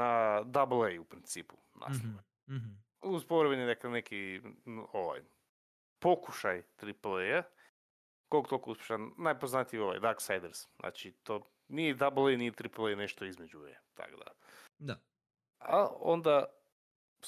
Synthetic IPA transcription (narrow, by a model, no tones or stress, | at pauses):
ad̪ablˠejupɾint̪siːpu̥ | na̰snoʋe | uzpoʋɾeβened̪akleneki | oʋa̰j | pokuʃajt̪ɾipleja | kolˠkt̪okouspʲje̥ʃanajpoznat̪ijoʋa̰jd̪aksajd̪eɾsnʔa̰t͡ʃit̪o | nijed̪ablˠejnijet̪ɾiplˠejneʃt̪oizmed͡ʒuḛt̪ʰa̰kod̪a̰ | d̪a | ao̰nd̪a